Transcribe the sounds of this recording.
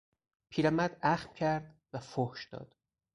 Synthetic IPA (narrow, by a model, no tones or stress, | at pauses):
pʰiːɾæmæd̪æxmcʰæɾd̪væfohʃd̪̥ɒ̰ːd̪̥